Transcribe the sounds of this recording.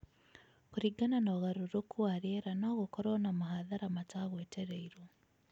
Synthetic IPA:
kuɾiɡananoɣaɾuɾokʰuaɾeɾanaːɣokoɾonamaɦaðaɾamataɣweːteɾeiɾo

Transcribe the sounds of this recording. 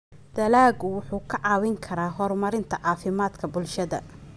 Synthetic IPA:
d̪̥ɐlaːɡʊwʊħuːkʰɐʕɑːwɪŋkʰɐɾaːɦɔrmɐɾɪnt̪ʰɐʕɑːfɪmaːd̪kʰɐbʊlʃɐðɐ̰

